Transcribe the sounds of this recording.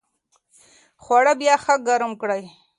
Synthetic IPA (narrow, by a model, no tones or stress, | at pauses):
xwaɽabjɑxaɡaɾəmkɽaj